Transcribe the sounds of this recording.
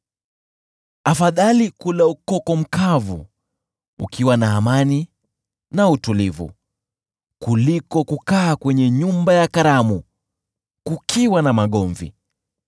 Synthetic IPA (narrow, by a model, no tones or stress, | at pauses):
afaðalikulaukɔkɔm̩kʰavṵ | ṵkʰiwanaːmani | nautulivṵ | kulikɔkukaːkwɛɲɛɲumbajakaɾamu | kukʰiwanamaɠɔɱvḭ